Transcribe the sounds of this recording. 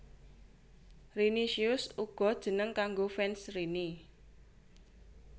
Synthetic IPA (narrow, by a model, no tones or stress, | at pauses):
riniʃiʊsuɡ̥ɔ̤d̥ʒ̥ə̤nəŋkaŋɡofɛnsrini